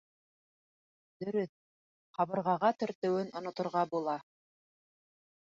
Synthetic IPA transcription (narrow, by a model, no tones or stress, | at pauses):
d̪̥ɵ̆ɾɵθ | qɑβɤ̆ɾʁɑʁɑt̪ɵ̆ɾt̪ɘ̆wɘnŏnŏt̪ŏɾʁɑbulˠɑ